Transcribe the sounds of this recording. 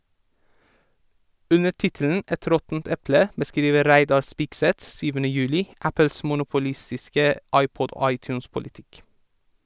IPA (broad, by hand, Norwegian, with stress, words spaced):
ˈʉnə ˈtɪtl̩n̩ ˈɛt ˈɾɔtn̩t ˈɛplə bəˈskɾiːʋə ˈɾæɪdɑɾ ˈspɪksɛt ˈsyːʋənə ˈjʉːlɪ ˈæpl̩s mʊnʊpʊˈlɪstɪskə ˈʔɑɪˌpɔd ˈoː ˈɑɪˌtjʉːnspʊlɪˌtɪk